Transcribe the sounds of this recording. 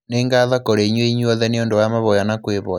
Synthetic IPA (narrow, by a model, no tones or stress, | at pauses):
neːŋɡaːðakoɾeiɲweiɲwɔðɛneondowamaβɔjanakweβɔja